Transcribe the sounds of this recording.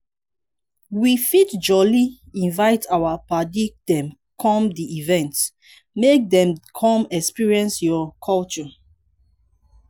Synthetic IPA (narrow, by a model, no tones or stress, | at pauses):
wifitd͡ʒɔli | ĩnvaɪtʰawapadik̚d̥ɛ̃m | kʰɔ̃mdiʔivɛ̃nt | mek̚dɛ̃mkʰɔ̃mɛkspiɹiɛ̃nsjɔkʰɔlt͡ʃɔ